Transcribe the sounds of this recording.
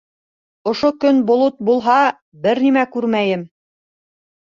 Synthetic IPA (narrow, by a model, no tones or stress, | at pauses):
ŏʃokɵnbŏlˠot̪̚bulˠɦɑ | bɘɾnimækʉɾmæjɘm